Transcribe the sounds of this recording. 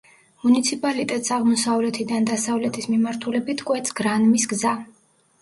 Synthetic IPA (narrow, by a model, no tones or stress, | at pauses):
munit̪sʰipʼalit̪ʼɛt̪ʼsaʁmɔsavlɛt̪ʰid̪and̪asavlɛt̪ʰismimaɾt̪ʰulɛbit̪ʰkʼwɛt̪sʰɡɾanmisɡza